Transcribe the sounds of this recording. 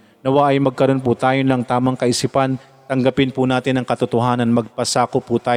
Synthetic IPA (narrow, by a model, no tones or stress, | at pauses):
nɐwaʔɐjmɐɡ̚kɐɾo̞nput̪aːjonɐŋt̪aːmɐŋkɐʔɪsipɐn | t̪ɐŋɡɐpɪnpʊnaːt̪ɪnɐŋkɐt̪ʊt̪ʊɦaːnɐnmɐɡ̚pɐsaːkʊpːut̪aː